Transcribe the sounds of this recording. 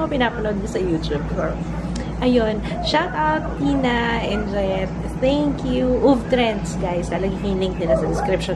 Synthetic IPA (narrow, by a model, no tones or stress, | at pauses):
ɐpɪnaːpɐnod̪̚kɐsɐjuːt̪ub̚oɹ | ʔɐjon | ʃak̪awt̪̚hinaʔɛnd͡ʒojt̪ | θɛŋkjuʔuvt̪ɾɛ̃nt̪sɡajst̪ɐlaɡikɐŋlɪŋk̚d̪ɪnɐsɐd̪ɪskɾɪpʃo